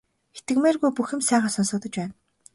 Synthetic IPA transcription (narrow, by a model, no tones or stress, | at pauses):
xet̪ɘ̆kmeːrɣujpuxɘ̆msæːχaːsɔnsɞ̆k̚t̪ɞ̆t͡ɕpæːn